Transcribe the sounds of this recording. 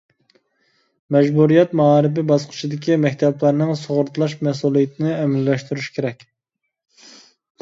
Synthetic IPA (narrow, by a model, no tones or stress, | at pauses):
mɛʒbuɾijɛt̪mɑɑɾɨb̬ɪbɑsqʰɨ̥t͡ʃʰid̪ɪkʲimɛkʲt̪ʰɛblæɾnɨŋsoʁʊɾt̪ʰlˠɑʃmɛs̬ulˠijɪt̪ʰɪnɪɛmɪlːɛʃt̪uɾyʃkʲʰeɾɛkʲ